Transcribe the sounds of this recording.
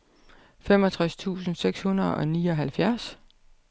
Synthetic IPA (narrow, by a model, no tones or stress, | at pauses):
femɒ̽t͡sʰʁast͡sʰṵːsn̩seɡ̥shunɐðˠɒ̽niːɒɦælfjæɐs